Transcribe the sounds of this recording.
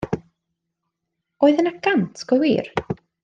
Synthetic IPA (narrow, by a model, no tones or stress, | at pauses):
ɔjðənaɡantʰkɔwḭːr